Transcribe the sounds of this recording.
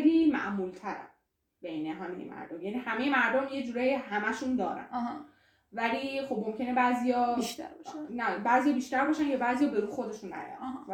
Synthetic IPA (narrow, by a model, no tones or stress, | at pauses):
liːmæ̰ʔmuːlt̪ʰæɾæ̰n | b̥ejneɦæmḛjemʔæ̰ɾd̪omjænihæme̞jemæɾd̪omje̞d͡ʒuːɾejihæmæʃund̪ɒːɾæ̰n | væliːxo̞bmo̞mcʰe̞ne̞bæːzijɒːiʃt̪æbɒʃnæbæːzijɒːbiːʃt̪æɾbɒːʃænkʰebæːzijɒːbe̞ɾuːxo̞d̪e̞ʃunːæ̰ɾæ̰n